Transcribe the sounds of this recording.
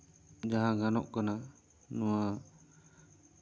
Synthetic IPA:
d͡ʒaɦãɡanɔ̰ʔkana | nɔwa

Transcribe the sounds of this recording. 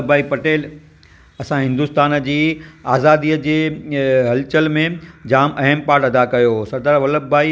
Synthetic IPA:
baːipɐʈeːl | ɐsãɦɪ̃nd̪ust̪aːnd͡ʑiːaːzaːd̪iːəd͡ʑeːɦɐlt͡ɕəlmẽd͡ʑaːmɐɦəmpaːɾʈɐd̪akɐjoːsɐɾd̪aːɾʋɐləbbaːi

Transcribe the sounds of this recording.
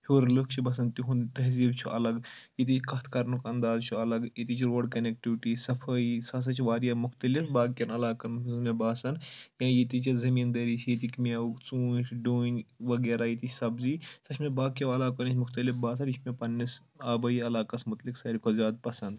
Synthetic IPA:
huːɾlɨkʰt͡ʃʰibɐs̬ɐnt̪iɦunt̪ɐɦziːbt͡ʃʰuʔɐlɐɡjit̪̬it͡ʃʰkɐt̪ʰkɐɾnukɐnd̪aːzt͡ʃʰuɐlɐɡjit̪it͡ʃʰɾoːɖkɐnek̚ʈiʋiʈisɐfʰɐisɐs̬ɐt͡ʃʰʋaːɾijaːmuxt̪ɐlifbaːkʲɐnɐlaːkɐnusmebaːsɐnkãːjit̪it͡ʃizɐmiːnd̪ɐɾiːt͡ʃʰjit̪ikmɐukt͡suːt͡ʃʰɖuːnʲʋɐɡeːɾajit̪it͡ʃʰsɐbziːsɐt͡ʃʰmẽbaːkɐɐlaːkɐnit͡ʃʰmuxt̪ɐlifbaːs̬ɐnit͡ʃʰmẽpɐnːis | aːbɐiɐlaːkɐsmut̪liksɐːɾikʰozʲaːd̪̚pɐsɐnd̪

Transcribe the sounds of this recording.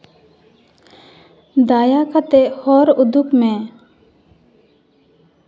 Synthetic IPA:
d̪aːjakʰat̪ehɔɾʊd̪ukmẽ

